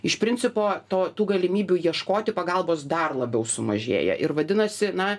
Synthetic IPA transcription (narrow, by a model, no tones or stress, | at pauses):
ɪʃpʲɾʲɪnʲt͡sʲɪpoːt̪oːt̪uːɡɐlʲɪmʲiːbʲuːjiɛʃkoːt̪ʲɪpɐɡɐlˠboːsd̪ɐrlˠɐbʲɛʊsʊmɐ̰ʒʲḛːjɛ̰ʔɪɾʋɐd̪ʲɪnɐsʲɪnɐ